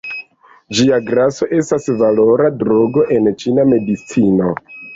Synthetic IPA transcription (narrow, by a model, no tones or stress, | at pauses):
d͡ʒiaɡɾaso̞ʔe̞stasvalo̞ɾadɾo̞ɡo̞ʔe̞nt͡ʃiname̞dit͡sino̞